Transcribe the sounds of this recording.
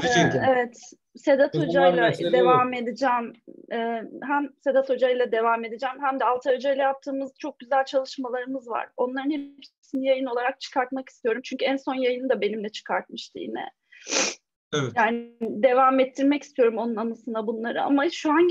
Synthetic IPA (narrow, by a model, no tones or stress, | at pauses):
evɛt̪ | se̞d̪at̪ʰod͡ʒajlˠad̪evame̞d̪id͡ʒæmɛːɦæmse̞d̪at̪ʰo̞d͡ʒajlˠad̪e̞vame̞d̪id͡ʒæmɦæmd̪ɛalˠt̪ʰaɾd͡ʒajlʲˠɛjap̚t̪ʰɯːmɯzt͡ʃʰo̞k̚ɟyzælʲt͡ʃʰalˠɯʃmalˠaɾɯmɯzva̰ɾ̥o̞nlˠaɾɯnhepsinijajɯno̞lˠaɾak̚t͡ʃʰɯ̥kʰaɾt̪maki̥st̪ʰijo̞ɾumt͡ʃʰyɲcʰyænso̞njajɯnɯd̪abe̞nimlʲɛt͡ʃʰɯ̥kʰaɾt̪̚mɯʃt̪ʰɯḭnɛ̰ | jaːnɪd̪e̞vamɛt̪ʰːiɾmɛci̥st̪ʰijo̞ɾumo̞nunanasɯnabunlˠaɾɯa̰maʃuaɲ